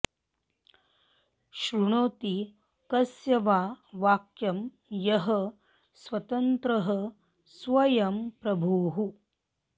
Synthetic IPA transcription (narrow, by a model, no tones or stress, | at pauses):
ʃɾuɳoːt̪i | kɐsjɐʋaːʋaːkjɐm | jɐɦɐ | sʋɐt̪ɐnt̪ɾɐɦə | sʋɐjɐmpɾɐbʱuːɦu